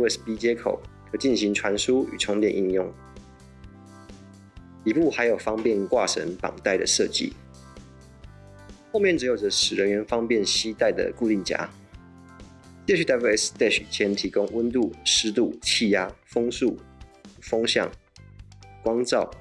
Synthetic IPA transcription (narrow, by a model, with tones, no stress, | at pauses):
ɛ˥spi˥t͡ɕjɛ˥kʰo̰˨˩ʊkʰɤ˧˥t͡ɕi˥˩nɕi˧˥ŋʈ͡ʂʰwa˧˥nʂu˦y̰˨˩ʈ͡ʂʰʊ˧˥ŋt̪jɛ˥˨nʔḭ˥˧njʊ˥˩ŋ | i˨˩pu˥˨˩xa˧˥ɪjo˨˩ʊfɑ˥ŋpjɛ˥˨nkwa˥˨ʂə̰˧˦npɑ̰˨˩ŋt̪a˥˩ɪd̪ə̰˩ʂɤ˥˧t͡ɕḭ˥˨˩ | xo˥˧ʊmjnʈ͡ʂɻ̩˧˥jo˨˩ʊʈ͡ʂə˦ʂɻ̩˨˩ɻə˧˦nɥɛ˧˥nfɑ˥ŋpjɛ˥˨nɕi˦t̪a˥˩ɪd̪ə̰˨˩ku˥˧li˥˩nt͡ɕja̰˥ | t͡ɕjɛ˥˧y˥˩t̪a˥bu˥˧ɛ˥st̪ɛ˥˩ɕt͡ɕʰjɛ˧˦˥nt̪ʰi˧˥kʊ˥ŋwə˦nt̪u˥˨ʂɻ̩˥t̪u˥˩t͡ɕʰi˥˧ja˥fɤ˥ŋsu˥˩fɑ˥ŋɕjɑ̰˥˩ŋ | kwɑ˥ŋt͡sɑ˥˨˩ʊ